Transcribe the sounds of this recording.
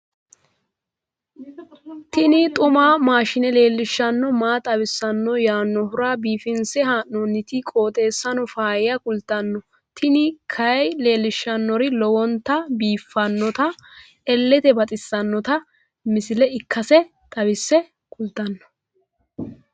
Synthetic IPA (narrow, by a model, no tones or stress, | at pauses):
t̪ɪnɪt̪ʼʊmaːmaːʃɪnɛle̞ːlːɪʃːɐnːɔmaːt̪ʼɐβɪsːɐnːɔjaːnːɔɦʊɾaːbiːfɪnsɛɦaːnnɔnːɪt̪ɪkʼo̞ːt̪ʼe̞ːsːɐnɔfaːjɪjɐkʊlt̪ɐnːɔ | t̪ʰɪnɪkʰɐjle̞ːlːɪʃːɐnːɔɾɪlɔwɔnt̪ːɐbiːfːɐnːɔt̪ɐ | ɛlːɛt̪ɛbɐt̪ʼɪsːɐnːɔt̪ɐ | mɪsɪlɛɪkːɐsɛ | t̪ʼɐbɪsːɛ | kʰʼʊlt̪ɐnːɔ̥